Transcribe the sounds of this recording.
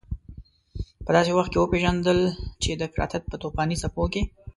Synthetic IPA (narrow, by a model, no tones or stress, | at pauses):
pəd̪ɑsewaxt̪̚kewəpeʒand̪əlt͡ʃed̪əfɪɾɑ̰t̪at̪̚pət̪opɑnisapoke